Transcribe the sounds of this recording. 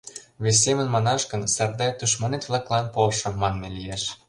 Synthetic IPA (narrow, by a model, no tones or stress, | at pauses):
βes̬ʲːemə̆nmɑnɑʃɡə̆nsɑrd̪ɑt̪uʃ̬mɑnet̪βlˠɑklɑnpolʃɤ̆mːɑnːelijeʃ